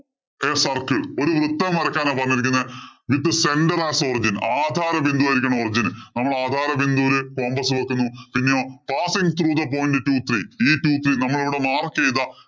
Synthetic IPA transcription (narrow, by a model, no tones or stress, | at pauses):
esɐrkɨo̞ɾuʋrut̪ːɐmʋɐɾɐkʲːaːnaːpɐrɐɲːiɾikʲːunːɐʋit̪ːɨse̞nɖɐraːsorid͡ʑinaːd̪ʱaːɾɐʋind̪uɐjiɾikʲːɐɳɐmorid͡ʑinnɐmːɐɭaːd̪ʱaːɾɐʋind̪ulɨko̞ːmbɐsɨʋɐkːunːupinːejoːpaːsiŋɡɨt̪ruðɐp̬o̞ːjndɨtuːt̪riiːtuːt̪rinɐmːɐɭiʋiɽemaːrkejt̪ɐ